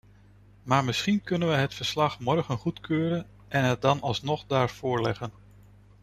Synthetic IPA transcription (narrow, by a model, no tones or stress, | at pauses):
maːɹmɪsχinkɵnənʋəjɦətfəɹslɑχmɔɹχənχutkøːɾən | ʔɛnɦət̚dɑnɑlˠsnɔχdaːɹv̥ʊːɹlɛχən